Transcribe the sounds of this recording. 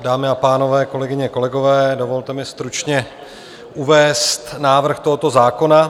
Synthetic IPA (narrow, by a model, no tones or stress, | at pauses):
daːmɪapaːno̞vɛːko̞lɛɡɪɲɛko̞lɛɡo̞vɛːdo̞vo̞lt̪ɛmɪst̪ɾut͡ʃɲɛ | ʔuvɛːst̪naːvr̩xt̪o̞ɦot̪o̞zaːko̞na